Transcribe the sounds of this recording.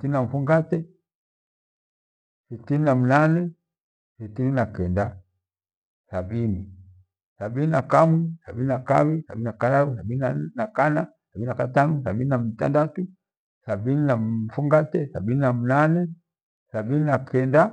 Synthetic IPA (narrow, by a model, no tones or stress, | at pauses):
sitininam̩fuŋɡatɛ | sitininamunanɛ | sitininakɛnda | sabini | sabininakamusa̰bininakawisa̰binakalausabininanakanasabininakatanusabininamita̰ndatu | sabininafuŋɡatɛsabininam̩nanɛ | sabininakʰɛnda